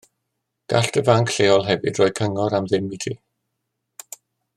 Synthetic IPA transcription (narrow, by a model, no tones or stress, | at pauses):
ɡ̥a̰ɬd̥əvaŋkʰɬeːɔlˠɦɛvɨ̰d̥rɔːjkʰəŋɔɾamðɪmːɪtʰi